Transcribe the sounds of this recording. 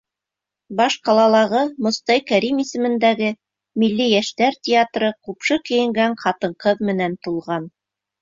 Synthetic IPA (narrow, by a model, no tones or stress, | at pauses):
bɑʃqɑlˠɑlˠɑʁɤmŏst̪ɑjkæɾimisɘ̆mɘ̆nd̪æɡɘ | milːijæʃt̪æɾt̪ʲɪat̪rɤqupʃɤkɘ̆jɘ̆ŋɡæɴqʰɑt̪ɤ̆ɴqɤðmɘ̆nænt̪ulˠʁɑn